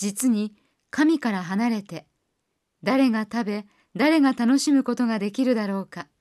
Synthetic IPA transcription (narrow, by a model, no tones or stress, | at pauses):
it͡sɨɲ̟i | kamʲikaɾaɦanaɾe̞t̪e̞ | d̪aɾe̞ŋat̪abe̞ | d̪aɾe̞ŋat̪ano̞ɕimɯ̟ko̞t̪o̞ɡad̪e̞kʲiɾɯ̟d̪aɾo̞ːka